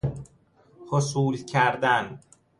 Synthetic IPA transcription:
hosuːlcʰæɾd̪æn

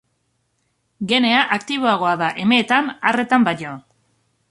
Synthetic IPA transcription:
ɡe̞ne̞aʔakt̪iβ̞o̞aɣ̞o̞aðaʔe̞me̞ːt̪anare̞t̪ambaɲo

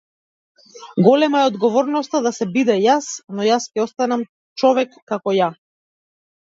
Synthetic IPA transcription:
ɡɔlɛmaɛɔd̪ɡɔvɔɾnɔst̪ad̪asɛbid̪ɛjasnɔjascʲɛɔst̪anam | t͡ʃɔvɛkːakɔja

